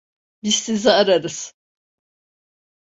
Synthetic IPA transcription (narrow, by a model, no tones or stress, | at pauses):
bissiziaɾaɾɯz̥